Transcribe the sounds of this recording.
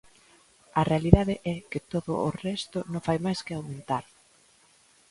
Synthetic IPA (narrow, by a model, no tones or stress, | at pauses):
ɐrealiðaðɪʔɛkɪt̪oðʊːrɛst̪ʊnõŋfajmajskɪawmẽnt̪aɾ